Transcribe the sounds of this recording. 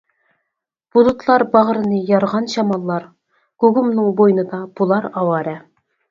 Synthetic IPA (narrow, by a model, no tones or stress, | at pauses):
b̥ud̪ut̪lˠɑɾbɑʁ̆ɾɤ̆nəjɑɾʁɑnɕɑmɑlˠːɑɾ | ɡ̥uɡumnɨŋbojnɤd̪ɑb̥ulˠɑɾɑwɑɾæ